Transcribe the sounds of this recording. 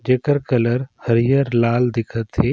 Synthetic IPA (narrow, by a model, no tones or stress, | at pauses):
d͡ʒekəɾkələɾhəɾijəɾlaːld̪ɪkʰət̪ɦe